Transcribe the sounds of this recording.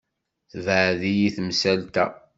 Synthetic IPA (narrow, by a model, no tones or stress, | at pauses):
θvəʕðijiθmsælt̪æ